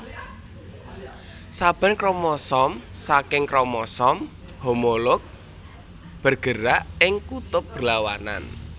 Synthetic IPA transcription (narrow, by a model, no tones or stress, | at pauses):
sab̥a̤nkɾɔmɔsɔmsakɪŋkɾɔmɔsɔm | homolʊk̚ | b̥ərɡ̥ə̤ɾaʔɪŋkut̪ʊp̚b̥ərlawana̰n